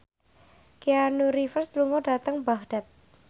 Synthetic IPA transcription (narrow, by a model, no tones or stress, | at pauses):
kianuɾifərsluŋɔdat̪əŋbahɖ̥at̪̚